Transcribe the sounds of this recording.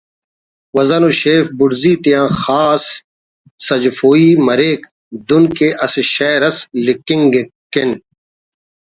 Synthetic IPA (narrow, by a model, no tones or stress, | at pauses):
wɐzɐnuɕeːfbʊɽziːt̪ijãːxaːsː | ɐd͡ʑfoːiːmɐɾeːk | d̪unkeːʔɐseʃɐːɾɐslikiŋɡeken